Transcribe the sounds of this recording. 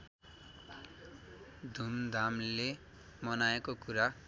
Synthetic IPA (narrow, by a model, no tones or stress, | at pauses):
d̪ʱumd̪ʱamle | mʌnaekokuɾa